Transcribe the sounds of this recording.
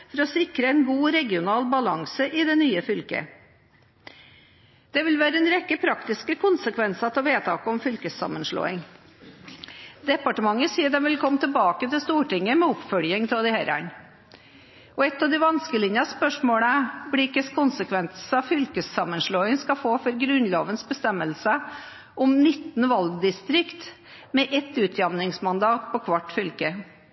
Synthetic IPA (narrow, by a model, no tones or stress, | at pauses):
fɔɾɔsɪkɾəɛɪnɡuːɾɛɡɪʊnɑːlbɑlɑŋsəʔɪd̪ɛnyːəfʏlkə̰ | d̪̥ɛʋɪlʋæːɾəɛnɾɛkːəpʰɾɑkt̪ɪskəkʰʊnsəkʰʋɛnsɑt̪ʰɪlʋeːt̪ʰɑːkəɔmfʏlkəsɑ̰mənʂɭo̰ːɪŋ | d̪ɛpɑʈəmɑŋːəsiːəd̪ɛmʋɪlkʰɔmːət̪ʰəlbɑːkət̪ɪlst̪uːʈɪŋːəmɛʊpfœljəŋt̪ʰɔd̪ɪhæɾɑ̰n | ɔɛt̪ːɑʋd̪ɪʋɑnskəlɪnjɑspœʂmoːɽəblɪɪkːəskʰʊnsəkʰʋɛnt̪sɑfʏlkəssɑmːənʂɭoːɪŋskɑfoːfɔɾɡɾʉnloːʋənsbəst̪ɛmːəlsə | ʔʊmnɪt̪ːnʋɑlɡd̪ɪst̪ɾɪkt̪ | mɛʔɛt̪ːʉːt̪ʰjɑmnɪŋsmɑnd̪ɑːt̪̚pʰɔkʰʋɑʈːfʏlkə